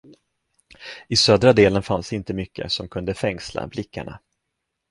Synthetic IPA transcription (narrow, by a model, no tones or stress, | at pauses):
ɪsøːd̪ɾad̪eːlənfansd̪ɛɪnt̪əmʏkːə̰sɔmkʰɵnd̪əfɛŋsla̰blɪkʰːa̰ɳa̰